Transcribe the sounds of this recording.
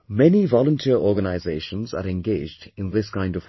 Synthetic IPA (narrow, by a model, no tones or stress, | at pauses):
mɛnivɔlə̃ntʰiəɹɔːɡənaɪzeɪʃə̃nzə̰ɾɛ̃nɡeɪd͡ʒdɪ̃nðɪskãɪ̃ndəv